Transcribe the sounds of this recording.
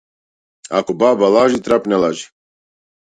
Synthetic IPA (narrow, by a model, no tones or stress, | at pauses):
a̰kɔbaːbalaʒit̪ɾapnɛlaʒi